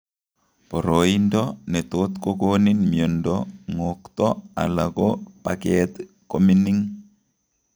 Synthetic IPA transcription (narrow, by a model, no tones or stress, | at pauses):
pɔɾoindɔnɛt̪ot̪kokoninmjɔndɔŋokt̪ɔa̰lakopakɛt̪ | kominiŋ